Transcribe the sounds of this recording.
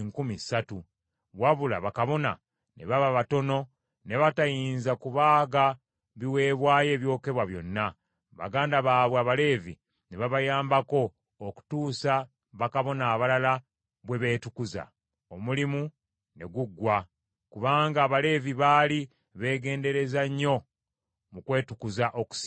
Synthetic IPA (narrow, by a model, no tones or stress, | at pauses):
ŋkumisatu | βwaβula̰βakaβo̞na̰ | ne̞̰βaβaβato̞no̞ | ne̞βatajiːnzakuβaːɡa | βiwe̞ːβwaːje̞ːβjo̞ːke̞βwaβjo̞̰nːa | βa̰ɡaːndaβaːβwaβale̞ːvḭ | ne̞βaβajaːmbako̞ː | ku̥tuːsa | βakaβo̞naːβalala | βwe̞βe̞ːtukuza̰ | omulimu | ne̞ɡuɡːwa | kuβaːŋɡaːβale̞ːviβali | βe̞ːɡe̞ːnde̞ɾe̞zaɲːo̞ | mukwe̞ːtukuzaʔoku̥s